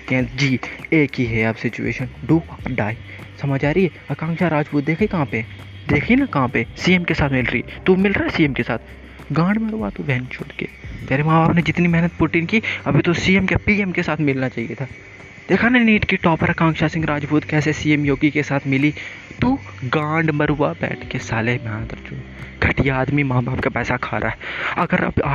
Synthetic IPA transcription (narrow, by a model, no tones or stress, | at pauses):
ɛ̃ːd͡ʒiːeːkiɦɛɐbsɪt͡ʃṵḛːʃənɖuːɖaːi | sɐmad͡ʒaːɾiɦɛ | ɐkãːŋkʃaɾaːd͡ʒbuːt̪̚d̪eːkʰikɐɦãːpe | d̪eːkʰinɐkɐɦãpesiːemkesaːt̪ʰmɪlɾəḭːt̪umɪlɾaɛsiːeːmkesaːt̪ʰ | ɡãːɽmẽɾoʋat̪ubʱɛɦnt͡ʃʰoːɽkḛːt̪ɛːɾemãːbaːpned͡ʒɪt̪nimɛɦnət̪̚puːʈɪnkiːɐbʱit̪osiːemkepiːemkesaːt̪ʰmɪlnat͡ʃaːɦiet̪ʰaː | d̪̥eːkʰananiːʈkiʈɔːpəɾɐkãːŋkʃasɪ̃ŋɡɾaːd͡ʒbuːt̪kɛːsesiːemjoːɡikesaːt̪ʰmɪli | t̪u | ɡãːɳɖmɐɾuʋabɛ̰ːʈʰkesaːleɦbaːnt̪ɐɾt͡ʃoː | ɡʱɐʈijaaːd̪mimaːbaːb̚kapɛːsakʰaːɾʔa̰ːɦɛɐɡəɾɐ̰baː